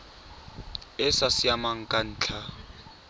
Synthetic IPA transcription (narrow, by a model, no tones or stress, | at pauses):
ɪsasɪamaŋ̩kʼan̩ːt͡ɬʰa